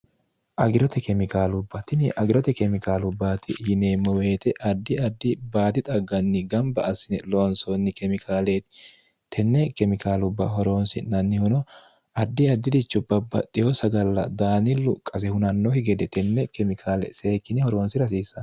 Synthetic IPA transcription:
ʔɐɡɪɾɔt̪ɛkɛmɪkaːlʊbːɐt̪ɪnɪʔɐɡɪɾɔt̪ɛkɛmɪkaːlʊbːaːt̪ɪhɪneːmːɔweːt̪ɛʔɐd̪ːɪɐd̪ːɪbaːd̪ɪt̪ʼɐɡːɐnːɪɡɐmbɐɐsːɪnɛloːnsonːɪkɛmɪkʰaːlet̪ɪ̥ | t̪ɛnːɛkɛmɪkʰaːlʊbːɐhɔɾo̞ːnsɪnɐnːɪhʊnɔ | ɐd̪ːɪɐd̪ːɪd̪ɪt͡ʃːʊbːɐbɐt̪ʼːɪjɔsɐɡɐlːɐ̰d̪aːnɪlːʊkʼɐsɛhʊnɐnːɔhɪɡɛd̪ɛt̪ɛnːɛkɛmɪkʰaːlɛ̰seːkːɪnɪhɔɾo̞ːnsɪɾɐs̬iːsːɐn

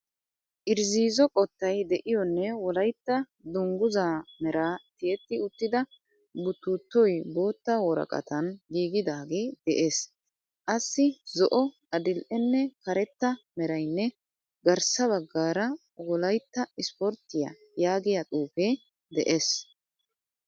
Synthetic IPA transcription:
ʔɪɾziːzɔkʼɔt̪ːɐjd̪ɛʔɪjɔnːɛwɔlɐjt̪ːɐ | d̪ʊŋɡʊzaːmɛɾaːt̪ɪjɛt̪ːɪʊt̪ːɪd̪ɐ | bʊt̪ːuːt̪ːɔjbo̞ːt̪ːawɔɾɐ̰kʼɐ̰t̪ɐnɡiːɡɪd̪aːɡeːd̪̥ɛʔeːs | ʔɐsːɪzɔʔɔ | ɐd̪ɪlʔɛnːɛkɐɾɛt̪ːɐmɛɾɐjnːɛ | ɡɐɾsɐβɐɡːaːɾɐ | wɔlɐjt̪ːɐɪspɔɾt̪ːɪjɐ̰ | jaːɡɪjɐt̪ʼuːfeː | d̪ɛʔeːs

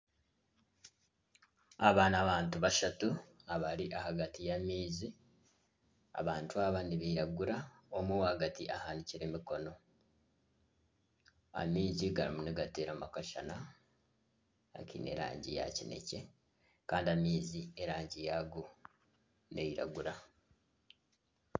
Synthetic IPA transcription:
aβaːnaβaːntuβaʃatuaβaɾiʔahaɡatijamiːzi | a̰βaːntuaβaniβiiɾaɡuɾaomuwhaɡatiʔahaːniciɾemiko̞no̞ | a̰miːziɡaɾḭmuniɡate̞ːɾamakaʃa̰na | a̰kḭne̞̰ɾa̰ːɲɟḭja̰cine̞̰ce̞ | kaːndiamiːzieɾaːɲɟijaɡo | ne̞jiɾa̰ɡuɾa

